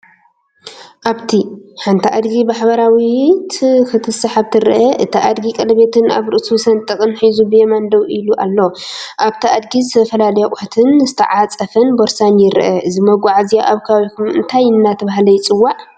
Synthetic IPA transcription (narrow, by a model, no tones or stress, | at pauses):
ʔaβt̪ʰiħant̪ʰiʔad̪ɡibaħbɐɾawit̪ʰɨxɨt̪ʰɨsaħaβt̪ʰɨɾʔɐʔɨt̪ʰiʔad̪ɡikʼɐlɐβe̞t̪ʰɨna̰βɾɨʔsusɐnt̪ʼɨkʼɨnħizubɨjemand̪ɐwʔiluʔa̰lːoʔaβt̪ʰiʔad̪ɡizt̪ʰɐfɐlaljakʼat̪ʰɨnzɨt̪ʰɐ̰ʕat͡sʼɐfɐnboɾsanjɪɾʔɐʔɨzimɐɡʷaʕazijaʔaβkʰaaβikʰumɨ̰nt̪ʰajɨnːat̪ʰɐβaɦlɐjt͡sʼɨwːaʕ